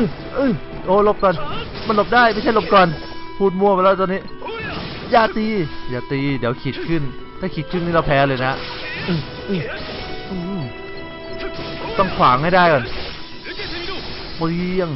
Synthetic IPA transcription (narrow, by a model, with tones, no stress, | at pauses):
ʔɯː˧˩ | ʔɯː˧˩ | ʔoː˧˦lo˦˥p̚kɔː˧n | ma˧˥nlo˧˥˩p̚daː˥˩jma˥˩jt͡ɕʰa˥˩˨lo˧˥p̚kɔː˧n | pʰuː˧˩t̪̚mu˧əplːt̪ɔː˧nːiː˦˥ | jaː˧˩t̪iː˧jaː˨˩t̪iː˧diː˨˩˦əwkʰi˨˩t̪̚kʰɯ˧˥˩nt̪ʰaː˧˩kʰi˨˧˩t̪̚kʰɯ˧˥˨nmiː˥˩la˧˩pʰɛː˨˧˥lɤː˧jna˦˥ | ʔɯː˧˩ | ʔɯː˧˩ | ʔɯː˧˩˧ | t̪ɔ˥˩ŋkʰwaː˨˩˦ŋha˥˩jdaː˥˩jkɔː˧˩n | bɔː˧ji˧əŋ